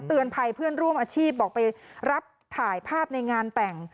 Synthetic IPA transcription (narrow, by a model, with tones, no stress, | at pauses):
t̪ɯ˨˧ənpʰa˧jpʰɯ˥˩ənɾu˥˩əmʔaː˧t͡ɕʰiː˥˩p̚ʔɔː˨˩k̚pa˧jɾa˦˥p̚t̪ʰaː˩˦jpʰaː˥˩p̚na˧jŋaː˧nt̪ɛ˨˩ŋ